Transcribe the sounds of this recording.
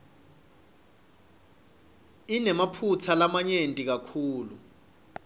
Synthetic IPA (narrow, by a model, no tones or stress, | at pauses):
inɛmapʰut͡sʰalamaɲentʼik̬akʰuːlu